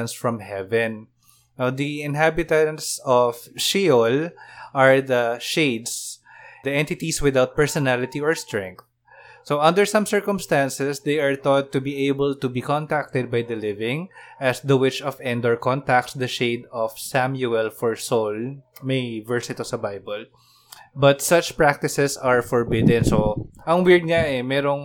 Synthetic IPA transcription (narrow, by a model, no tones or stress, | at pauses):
ɐ̃nsfɹɔ̃mɦɛvɛ̃n | od̪iɪ̃nɦabɪt̪ãnt̪sɔvʃiɔlʔaɹd̪ɐʃeɪd̪s | d̪iɛ̃nt̪ɪt̪iswɪd̪awt̪̚pɛɹsɔnalɪt̪iɔɹst̪ɹɛ̃ŋk̚θ | soʔɐ̃nd̪əɹsɐ̃msɛɹkɔmst̪ãnsɛsd̪ejaɹt̪ɔt̪ːubieɪbɔlt̪ubikɔ̃nt̪ak̚t̪ɛd̪̚bajd̪ɐlɪvɪ̃ŋʔɐsd̪ɐwɪt͡ʃɔfɛ̃nd̪ɔɹkɔ̃nt̪ak̚t̪sd̪ɐʃeɪd̪ɔfsamjuɛlfɔɹsolmejvɛɹsɪt̪osɐbajbɔl | bɐt̪sɐt͡ʃpɹak̚t̪ɪsɛsaɹfɔɹbɪd̪ɛ̃nsoʔɐŋwɪɹd̪̚ŋaʔɛmɛːɾoŋ